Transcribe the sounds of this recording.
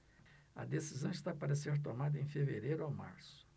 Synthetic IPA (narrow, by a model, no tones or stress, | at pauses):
ɐ̰d̪esizɐ̃w̃ist̪apaɾɐseɾt̪omad̪ɐẽj̃feveɾejɾʊawma̰ɾsʊ̥